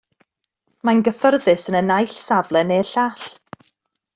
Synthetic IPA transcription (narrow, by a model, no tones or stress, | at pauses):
manɡəfərðɨsənənajɬsavlˠɛneɬaːɬ